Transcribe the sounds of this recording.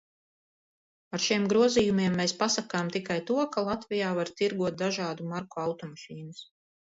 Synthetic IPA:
aɾʃiɛmɡɾuɔzijumiɛmːeːspasakaːmt̪ikajt̪uɔkalˠat̪vijaːvaɾt̪iɾɡuɔt̪̚d̪aʒaːd̪umaɾkoawt̪ɔmaʃiːnus

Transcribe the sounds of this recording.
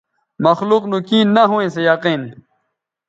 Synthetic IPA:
mɐxluqnukiːnːɐɦũwẽsejɐqiːn

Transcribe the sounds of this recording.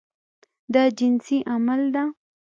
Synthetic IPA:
d̪ad͡ʒɪnsiʔamald̪a

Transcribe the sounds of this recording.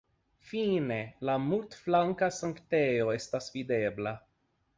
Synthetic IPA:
fine̞lamultflaŋkasaŋkte̞jo̞e̞stasvide̞bla

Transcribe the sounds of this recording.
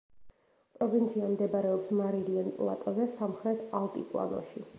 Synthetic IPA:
pʼɾɔvint̪sʰiamd̪ɛbaɾɛɔpsmaɾilianpʼlˠa̰t̪ʼɔzɛsamχɾɛt̪ʰalˠt̪ʼḭkʼlˠa̰nɔ̰ʃi

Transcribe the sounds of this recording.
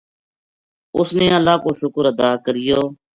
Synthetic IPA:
ʊsneːəlaːkoːʃʊkəɾəd̪aːkəɾɪjoː

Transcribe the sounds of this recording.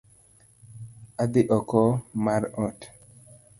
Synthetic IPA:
ad̪iʔɔkɔmaɾɔt

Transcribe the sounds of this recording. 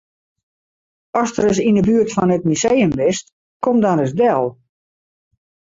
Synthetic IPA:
ɔstərəs̬indəbyərtfɔnət̚misejəmʋɪst | kʰomdɔnəs̬dɛlˠ

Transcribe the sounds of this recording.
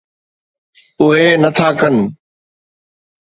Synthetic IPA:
ʊɦenɐt̪ʰaːkən̆

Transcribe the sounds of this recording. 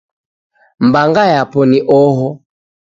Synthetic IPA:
mbaŋɡajapɔniʔɔɦɔ

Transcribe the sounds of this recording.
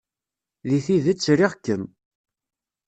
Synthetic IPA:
ðiθiðət͡sːɾiʁkːən

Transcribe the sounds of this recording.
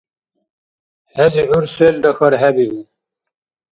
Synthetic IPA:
heziuɾseld̪ɐxɐɾɦebii

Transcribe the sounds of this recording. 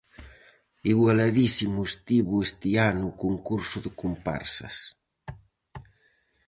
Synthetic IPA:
iɣwalaðisimuest̪iβuest̪ianuːkuŋkuɾsuðekumpa̰ɾsɐ̰s

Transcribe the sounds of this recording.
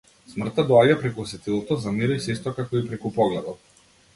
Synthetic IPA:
smr̩t̪ad̪ɔaɟapɾɛkuɔsɛt̪ilˠɔt̪ɔzaniɾɔjsɛist̪ɔkakɔipɾɛkupɔɡlɛd̪ɔt̪̚

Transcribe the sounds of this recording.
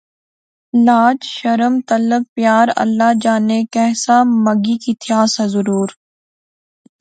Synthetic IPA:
laːd͡ʒʃəɾəmt̪ɐləb̚pjaːɾɐ̰lːad͡ʒaːnekɛːsaməɡikit̪ʰijaːsazʊɾuːɾ

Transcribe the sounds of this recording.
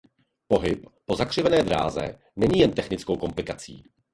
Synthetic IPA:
po̞ɦɪppo̞zakr̥ɪvɛnɛːd̪ɾa̰ːzɛ̰ | nɛɲiːjɛnt̪ɛxnɪt͡skowko̞mplɪkat͡sḭː

